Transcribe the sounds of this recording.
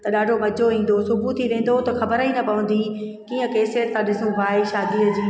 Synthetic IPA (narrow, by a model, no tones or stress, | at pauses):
t̪ɐɗaːɖʱomɐd͡ʑʱoĩːn̆d̪osʊbʱut̪ʰiʋẽːn̆d̪ot̪ɐxɐbəɾinɐpɐʋə̃n̆d̪iː | kiːə̃keːsijət̪sãɗɪsũʋaːiʃaːd̪iəd͡ʑiː